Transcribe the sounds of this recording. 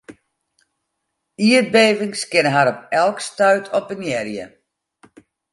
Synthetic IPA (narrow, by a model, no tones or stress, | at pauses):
iət̚beːvɪŋskɪnəɦaɾɔp̚ɛlˠkstœɥtʰɔp̚ənjɛrjə̰